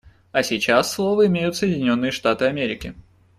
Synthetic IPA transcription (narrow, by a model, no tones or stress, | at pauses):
ɐsʲit͡ɕasːlˠo̞vəɪmʲejʊt̪səjɪdʲɪnʲo̞nːɨjəʂt̪at̪ɨɐmʲeɾʲɪkʲɪ